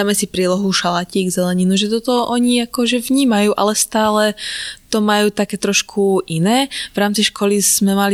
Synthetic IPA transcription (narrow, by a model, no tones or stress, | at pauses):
aːmɛsipɾiːlɔɦuʃalaciːɡzɛlɛɲinuʒɛt̪ɔt̪ɔʔɔɲiakɔʒɛvɲiːmajuːʔa̰lɛst̪aːlɛt̪ɔmajuːt̪akɛːt̪ɾɔʃkʰuʔinɛːvɾaːmt͡siʃkʰɔliz̥mɛmali